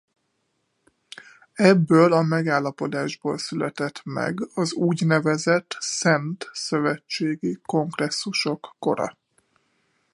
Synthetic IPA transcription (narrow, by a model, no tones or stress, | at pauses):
ɛbːøːlɒmɛɡaːlːɒpo̞d̪aːʒboːlsylɛt̪ɛt̪mɛ̰ɡɒzuːɟnɛvɛzɛt̪sɛnt̪sø̞vɛt͡ʃːeːɡiko̞ŋɡrɛsːuʃo̞kːo̞̰ɾɒ̰